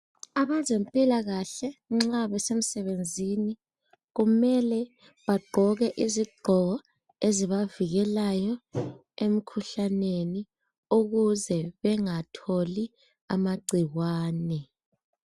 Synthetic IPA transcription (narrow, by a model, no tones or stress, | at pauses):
aβazempʼilaɣaɬɛŋ͡ǁaβɛsem̩sɛβend͡zʱini | ɣumɛlɛ | βaɡ͡ǃʱɔɣɛʔiziɡ͡ǃʱɔɣɔ | eziβaviɣɛlajɔ | em̩kʰuɬaneni | uɣuzɛβɛŋatʰoli | a̰maɡ͡ǀʱiɣwaːnɛ